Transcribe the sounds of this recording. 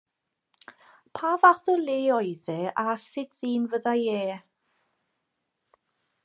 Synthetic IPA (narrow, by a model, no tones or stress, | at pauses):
pʰaːvaθəlˠeːɔjðɛasɪd̥siːnvəðajeː